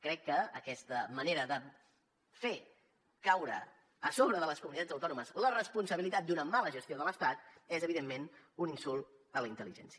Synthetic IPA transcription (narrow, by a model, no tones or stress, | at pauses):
kɾɛkːəːkɛst̪əməneɾəðə | fe | kawɾə̰ | əsoβ̞ɾəðələskumunit̪add͡zəwt̪ɔnuməzlərəspunsəβilit̪at̪̚d̪unəmaləʒəst̪ioðələst̪at̪ezəβiðemːenuninsulˠ | d̪ələint̪əliʒɛ̰nsiə